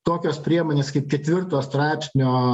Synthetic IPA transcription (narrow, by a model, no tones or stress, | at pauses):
t̪oːkʲoːspʲɾʲiɛmoːnʲeːskɐɪp̚kʲɛt̪ʲʋʲɪrt̪oːst̪ɾɑɪpʲsʲnʲoː